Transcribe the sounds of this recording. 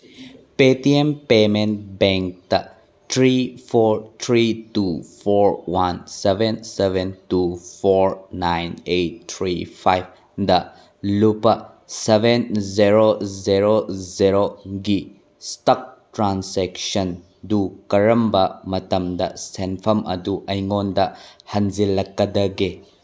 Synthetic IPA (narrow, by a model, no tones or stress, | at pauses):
petiempement̚beŋk̚tɐ | tʰɾipʰoɾt̪ʰɾitupʰoɾwansebensebʱentupʰoɾnajnet̚t̪ʰɾipʰajb̚ | dɐ | lupɐ | sebʱenziɾoziɾoziɾoɡi | stɐk̚tɾanseksɐn | dukɐɾɐmbɐmɐtɐmdɐsenpʰɐmʔɐduʔɐjŋondɐhɐnzilɐkːɐdɐɡe